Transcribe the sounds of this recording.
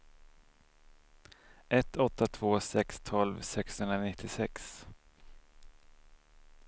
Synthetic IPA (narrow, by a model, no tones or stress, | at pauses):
ɛt̪ʰːɔt̪ːat̪ʰv̥oːsɛkst̪ʰɔlvsɛkshɵnɾanɪt̪ʰːɪsɛks